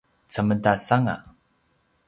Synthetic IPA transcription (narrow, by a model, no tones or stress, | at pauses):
t͡səməntasaŋa̰